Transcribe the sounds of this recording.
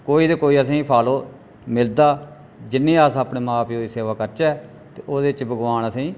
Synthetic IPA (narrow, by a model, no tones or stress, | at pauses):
koːiːd̪eːkoːiːəsĩːpʰaːloː | mɪld̪aː | d͡ʒɪnːĩːəːsəpɽeːmaːpʰoːiːseːʋaːkəɾt͡ʃɛː | t̪eːoːd̪eːt͡ʃbəɡʋaːnəsĩː